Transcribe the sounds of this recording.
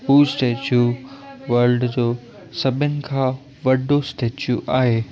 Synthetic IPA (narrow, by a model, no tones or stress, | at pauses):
puːsʈeːt͡ɕjuʋɐɾlɖd͡ʑoː | sɐbʱənɪ̆kʰãː | ʋɐɖosʈeːt͡ɕjuʔaːɦeː